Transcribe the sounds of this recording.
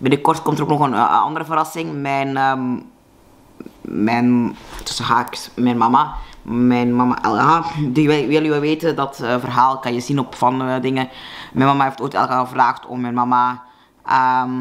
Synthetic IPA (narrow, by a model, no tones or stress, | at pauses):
bɪnəkɔrtkɔmtəɾoːknɔxənɑ̰ndəɾəvəɾɑsɪŋmɛjnə | ɛntə̥səɦaːksmɛjnmɑmamɛjnmɑma̰ʔɛ̰lˠəɦadiʋɛʋɪlːʋɛʋeːtəndɑtvərɦaːlˠkɑnjəzinɔpfɑnədɪŋəmɛjnmɑmaɦeːftoːjtɛ̰lˠɣəaːəvraːxtɔ̰mmɛjnmɑma | ʔəm